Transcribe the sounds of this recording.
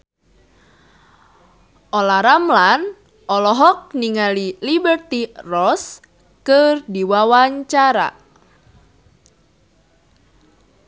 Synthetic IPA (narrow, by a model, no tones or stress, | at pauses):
ʔɔlaɾamlan | ʔɔlɔɦɔk̚niŋalilibərt̪irɔs | kɨrdiwawaɲt͡ʃaɾa̰